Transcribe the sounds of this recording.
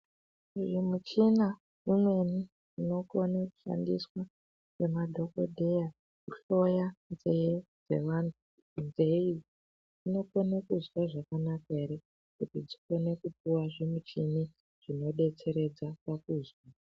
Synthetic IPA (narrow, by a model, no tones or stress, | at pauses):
ʐimut͡ʃina | imwe̞ni | ino̞konaku̥ʃa̰ndiswa | ke̞madʱo̞ko̞̰dʱeja | kuɬo̞janzed͡ze̞̰ʋantʰu | nzei | ino̞ko̞nekuzwaʐakanakaeɾe | kutid͡ziko̞ne̞kup̚uwaʐemut͡ʃini | ʐ̥ino̞ɗe̞t͡se̞ɾe̞d͡zapakuːzwa